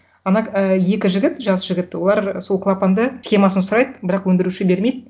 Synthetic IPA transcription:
ɑnɑəje̞kʲɪʒɪɡʲɪt̪ʒɑsʒ̥ɪɡʲɪt̪wo̞lˠɑɾso̞lˠkʰlˠapand̪əsχʲe̞mɑsənsʊɾɑjd̪əbɪɾɑqwɵnd̪ɪɾuʃɪbe̞ɾme̞jd̪ɪ

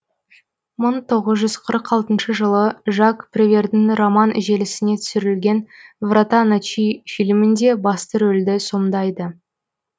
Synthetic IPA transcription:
məɴt̪ʰo̞ʁəzʒʏz̥qʰəɾəqɑlˠt̪ənʃəʒəlˠəʒɑkprʲevʲe̞rd̪ɪnromɑnʔɪ̰ʒe̞lɪsɪne̞t̪ʰʏ̥sʏɾɪlɡʲe̞nvrat̪anat͡ʃijfilmɪnd̪e̞bɑst̪əɾɵld̪ɪso̞md̪ɑjd̪ə

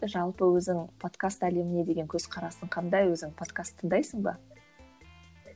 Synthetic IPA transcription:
ɪʒɑlˠpəwɵzɪŋpʰo̞t̪kast̪æle̞mɪne̞d̪e̞ɡʲe̞ŋkʲʰɵzqʰɑɾɑsəɴqʰɑnd̪ɑjwɵzɪŋpʰo̞t̪kast̪ʰːəŋd̪ɑjsəɴbɑ̰

